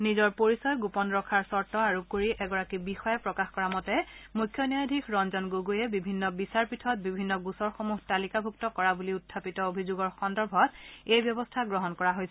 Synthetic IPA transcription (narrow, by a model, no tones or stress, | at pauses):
nizɔɹpoɹisɔjɡupɔnɹɔkʰaɹsɔɹtɔaɹukoɹiʔɛɡɔɹakibixɔjɛpɹɔkaxkɔɹamɔtɛmujkʰːjɔnijajdʱikʰɹɔnzɔnɡoɡujɛbibʱinːɔbisaɹpitʰɔt̚bibʱinːɔɡusɔɹxomuɦtalikabʱuk̚tɔkɔɹabuliutʰːapitɔobʱizoɡɔɹxɔndɔɹbʱɔtejbjɔbɔstʰaɡɹɔɦɔnkɔɹaɦojsɛ